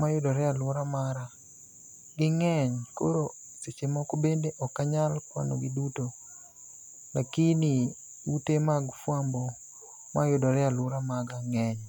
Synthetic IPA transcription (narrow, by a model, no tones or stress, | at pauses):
majʊdɔɾɛalʊɾamaɾa | ɡɪŋɛɲko̰ɾo | set͡ʃemɔkobendeʔɔkːaɲalkwa̰no̰ɡiduto | lakini | utemaɡfwambɔ | majʊdɔɾɛalʊɾamaɡaŋɛɲ